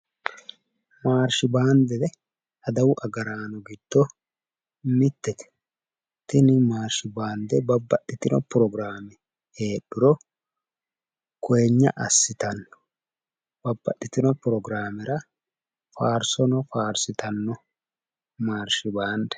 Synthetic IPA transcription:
maːɾʃɪbaːnd̪ɛd̪ɛ | ɐd̪ɐwʊʔɐɡɐɾaːnɔɡɪd̪̥ːɔ | mɪt̪ːɛt̪ɛ̥ | t̪ɪnɪmaːɾʃɪbaːnd̪ɛbɐbːɐɗːɪt̪ɪnɔpʊɾɔɡɾaːmɪ | heːɗːʊɾɔ | kɔjɛɲːɐ̰ʔɐsːɪt̪ɐnːɔ̥ | b̥ɐbːɐɗːɪt̪ːɪnɔpʊɾɔɡɾaːmɪɾɐ | faːɾsɔnɔfaːɾsɪt̪ɐnːɔ | maːɾʃɪbaːnd̪ɛ̥

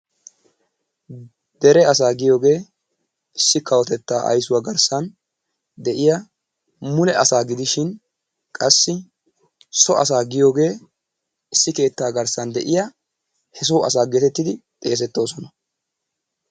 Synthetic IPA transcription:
d̪̥ɛɾɛɐs̬aːɡɪjo̞ːɡe̞ː | ɪsːɪkːɐwɔt̪ɛt̪ːaːʔɐ̰jsʊwaɡɐɾsɐn | d̪ɛʔɪja | mʊlɛʔɐsaːɡɪd̪ɪʃɪn | kʼɐsːɪ | sɔʔɐ̰s̬aːɡɪjo̞ːɡe̞ː | ɪsːɪke̞ːt̪ːaːɡɐɾsɐnd̪ɛʔɪjɐ | hɛs̬oːʔɐs̬aːɡet̪ɛt̪ːɪd̪ɪt̪ʼe̞ːs̬ɛt̪ːo̞ːsɔnɐ

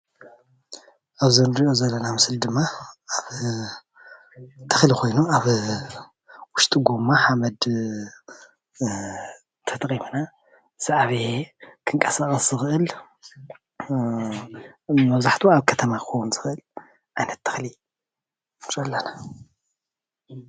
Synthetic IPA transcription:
ʔaβzɨnɾiʔo̞zɐlːɐnamɨsɨld̪ɨmːaaβ | t̪ʰɨxliko̞jnuaβ | wʊʃt̪ʼuɡomaħamɐd̪ | t̪ʰɐt̪ʼimuna | z̥aʔaβekʰɨŋkʼɐsaxʼɐszɨxɨʔɨl | mɐβzaħt̪ʰuaβkʰɐt̪ʰɐmaxowunzɨxɨʔɨl | ʕajnɐt̪ʰːɨ̥xli | t͡ʃʼɐlːɐna

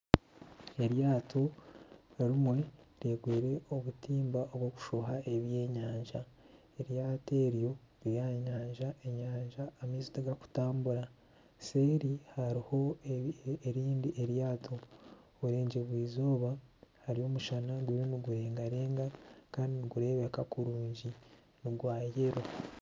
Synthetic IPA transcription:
e̞ɾjaːtʰo̞ | ɾimwe̞ | ɾeːɡweːɾe̞o̞βutiːmbao̞βwoku̥ʃoɦaʔe̞βje̞ːɲaːɲʒa | e̞ɾjaːte̞ːɾjo̞ | ɾijaɲaːɲʒae̞ɲaːɲʒaːmizotaɡaku̥taːmbuɾa | se̞ɾihaɾiho̞ | eɾiːndiʔe̞ɾjaːtʰo | βuɾe̞ːɲɟeβwiːzoːβahaɾijo̞ːmuʃanaɡwiɾiniɡuɾe̞ːŋɡaɾeːŋɡakaːndiniɡuɾe̞ːβekakuɾuːɲɟi | niɡwaːjeɾo

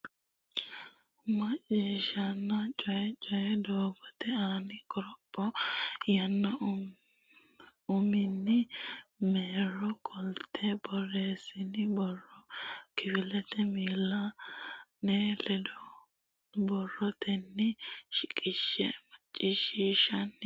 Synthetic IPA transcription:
mɐt͡ʃʼːiːʃɐnːɐt͡ʃʼɔjɛt͡ʃʼɔjɛd̪oːbɔt̪ɛaːnɪkɔɾɔpʼːɔjɐnːɐ | ʊmɪnːɪmeːɾɔkʰɔlt̪ʰɛbɔre̞ːsɪnɪbɔrːɔkɪfɪlɛt̪ɛmiːlːɐ | nelɛd̪ɔ | bɔrːɔt̪ʰɛnːɪʃɪkʼɪʃːɛ̰mɐt͡ʃʼːiʃiːʃɐnː

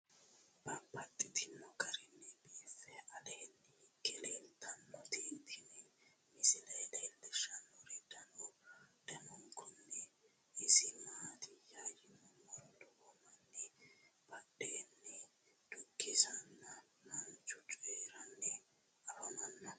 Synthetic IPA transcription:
b̥ɐmpːɐt̪ʼːɪt̪ʰɪnːɔkɐɾɪnːɛbiːfɛɐd̪eːnːɛkɛleːnt̪ʰːɐnːɔt̪iːt̪ʰɪnɛmɪsɪlɐjlɛːldɛʃɐnːɔɾɛd̪ɐnɔd̪̥ɐmɔŋkʰʊnːɛ | ɪsɪmaːt̪ɪjajɪnɔmɔld̪ɔwɔmɐnːɛb̥ɐɗeːnːɛ | d̪̥ʊkːɪsɐnːɐ | mɐnt͡ʃʊt͡ʃʼeːɾɐnːɛ | ɐɾɔnɐnːɐ

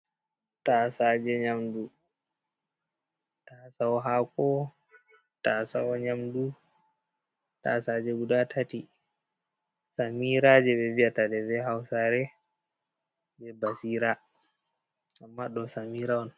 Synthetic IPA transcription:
tasad͡ʒɛɲamdu | tasaɔɦakɔ | tasawɔɲamdu | ta̰sad͡ʒɛɡuɗatʰati | samiɾad͡ʒɛbɛviatadɛvɛɦawsaɾɛ | bɛbasiːɾa | ʔamːaɗɔsamiɾawɔn

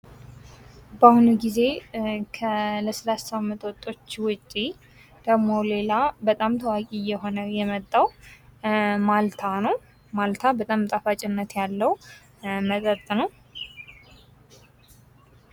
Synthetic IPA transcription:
bahunuɡize̞kʰələsəlasamːət̪ʰʼwɔt̪ʼːo̞t͡ʃːwʊt͡ʃʼːi | d̪̥əɡmo̞le̞labət̪ʼamt̪ʰəwakʼijːɛɦo̞nəjɛmət̪ʼːaw | malt̪ʰanəw | malt̪ʰabət̪ʼamt̪ʼafat͡ʃʼɪnːət̪jalːəw | mət̪ʼət̪ʼːnəw

